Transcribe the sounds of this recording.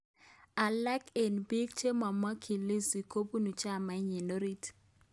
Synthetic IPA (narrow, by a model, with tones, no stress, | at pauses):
a˨la˦ke˨nbi˦kt͡ʃe˦ma˨ma˦kʰi˨li˦si˨kʰo˦bu˦nu˨t͡ʃa˦˨ma˨˦ɲi˨no˦ɾi˦t